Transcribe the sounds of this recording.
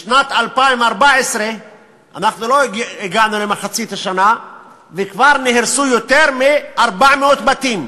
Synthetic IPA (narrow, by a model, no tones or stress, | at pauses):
ʃnat̪alpaimaʁbaesʁe | a̰naχnulo̞eɡanulemaχat͡sit̪aʃana | vekvaʁneɦeɾsujot̪eʁmeaʁbaʕmeot̪bat̪im